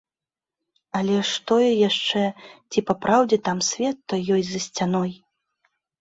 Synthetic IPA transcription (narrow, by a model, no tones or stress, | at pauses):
ɐlʲɛʂt̪ɔjɛjaʂt͡ʂɛt͡sʲipapɾawd͡zʲɛt̪amsʲvʲɛt̪ːɔjːɔjzɐsʲt͡sʲanɔj